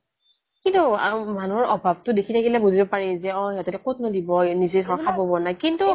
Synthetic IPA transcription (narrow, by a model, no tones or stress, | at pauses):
kintuamanuɔɹɔbʱab̚tʊdekʰitʰakilɛbuzibɔpaɹizɛɔjɦɛtɔtɛkotnodibɔnizedɔɹkʰabɔbɔnakintu